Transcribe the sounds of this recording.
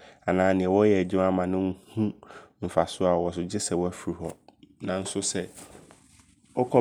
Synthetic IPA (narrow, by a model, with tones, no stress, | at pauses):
a˨nãː˨nɪ̃˨ɛ˨wɔ˦jɛ˨æ˨d͡ʑi˦a˦mã˨nʊ̃˦ŋ˦hũ˦m̩˨fa˨sʊ˦a˨wɔ˨s̬ʊ˨d͡ʑɪ˦sɛ˨wɔ˦æ˦fi˨ɾi˨hɔ˨nã˨n̩˦sʊ˦sɛ˦ | ɔ˦kʰɔ˦